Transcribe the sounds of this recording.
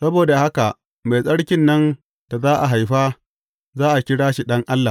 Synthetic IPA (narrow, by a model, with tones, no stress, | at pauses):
sɐ˦boː˨da˨ha˦ka˨ʔ | ma˨jsʼɐ˦ɽkʲɪ˦nːɐ˦n | d̥a˨zaː˦ʔa˨ɦa˨jɸaː˦ | zaː˦ʔa˨kʲɪ˦ɽaː˦ʃi˨ɗɐ˦ŋʔa˦lːa˨